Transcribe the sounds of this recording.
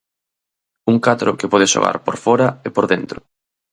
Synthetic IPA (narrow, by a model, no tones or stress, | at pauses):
uŋkat̪ɾʊkɪpɔð̞ɪʃo̰ɣa̰ɾpoɾfɔɾɐepoɾðent̪ɾʊ